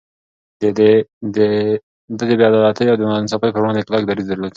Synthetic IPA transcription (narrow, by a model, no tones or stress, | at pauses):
d̪ed̪ed̪e | d̪əd̪ebjɑd̪ɑlat̪ʰəjawd̪ənnsapəjpəɾwɑnd̪eklɑk̚d̪aɾizd̪əɾlat̪